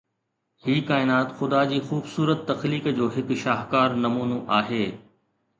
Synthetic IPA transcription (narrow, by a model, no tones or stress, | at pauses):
hiːkaːɪnaːt̪xʊd̪ad͡ʑiːxuːbsuːɾət̪ːɐxliːkd͡ʑoːɦɪkʃaːɦkaːɾnɐmuːnoʔaːɦeː